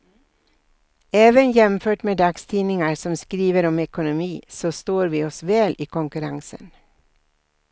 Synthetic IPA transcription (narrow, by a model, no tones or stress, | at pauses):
eːʋənjɛmføːʈmeːd̪ɑːɡst̪ʰiːnɪŋəɾsɔmskɾiːʋəɾɔmɛkʊnʊmiːsoːst̪oːɾʋiːɔsʋeːlʔiːkʰʊŋkʉɾɑŋsə̰n